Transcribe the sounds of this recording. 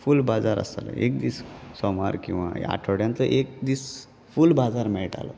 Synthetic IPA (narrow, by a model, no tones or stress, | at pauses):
fulbad͡zaɾə̰salə̰ek̚d̪iːssɔmaɾkĩw̃ʋa̰a̰ʈʰoɽjãnt͡səʔek̚d̪iːs | fulbad͡zaɾmɛɭʈa̰lɔ